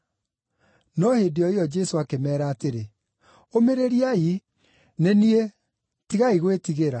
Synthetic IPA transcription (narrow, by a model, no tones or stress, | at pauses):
nɔhediɔiɔd͡ʒɛsoakemɛːɾaːteɾe | omeɾeɾiai | nenie | tiɣaiɣwetiɣeɾa